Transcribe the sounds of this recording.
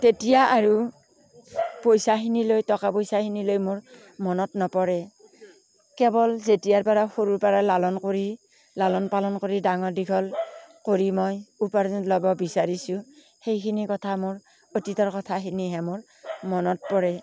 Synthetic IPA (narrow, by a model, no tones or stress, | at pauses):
tetijaʔaɹu | pojsaxinilojtɔkapojsakinilojmoɹ | mɔnɔtnɔpɔɹɛ | kɛbɔlzetijaɹpaɹaxoɹuɹpaɹalalɔnkoɹi | lalɔnpalɔnkoɹidaŋɔɹdikʰɔlkoɹimɔjupaɹzɔtlɔbɔbisaɹisʊ̃ | hejkʰinikɔtʰamoɹ | otitɔɹkɔtʰakiniɦɛmʊɹ | mɔnɔt̚pɔɹɛ